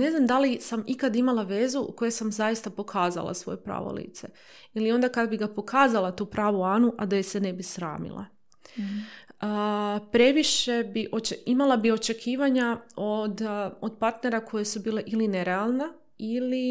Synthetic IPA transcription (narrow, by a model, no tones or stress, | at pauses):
ne̞znamd̪alisamikad̪imalˠaʋe̞ːzuko̞jesamzajist̪apo̞kʰaːza̰lˠa̰sʋo̞̰jepɾa̰ːʋo̰lḭːt̪se | ilio̞nd̪akad̪abiɡapo̞kʰaːzalˠat̪uːpɾaːʋuaːnuʔad̪ajesene̞bisɾa̰ːmḭlˠa̰ | pɾe̞ʋiʃe̞biʔot͡ʃeimalˠabio̞t͡ʃe̞kʰiːʋaɲaod̪od̪paɾt̪ne̞ɾakʰo̞jesubiːle̞ʔilineɾealˠna | ili